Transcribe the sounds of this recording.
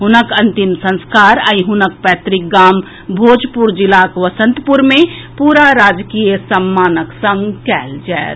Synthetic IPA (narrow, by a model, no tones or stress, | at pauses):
ɦʊnəkɐ̃nt̪imsə̃nskaːɾəiɦʊnək̚pɛːt̪ɾɪk̚ɡaːm | bʱoːd͡ʒpuɾd͡ʒɪlakʋəsə̃nt̪puɾmẽpuːɾaɾaːd͡ʒkijəsəmːaːnəksə̃ŋɡkɛːld͡ʒɛːt̪